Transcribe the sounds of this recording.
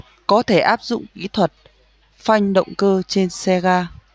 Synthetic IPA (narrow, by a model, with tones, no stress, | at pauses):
kɔ˨˦t̪ʰe˧˩ʔaː˦˥p̚zʊ̰˧˨ŋ͡mkḭ˧˥t̪ʰwə˨˩t̚ | fa˧jŋ̟ɗə̰˧˨wŋ͡mkəː˧t͡ɕe˧nsɛ˧ɣaː˧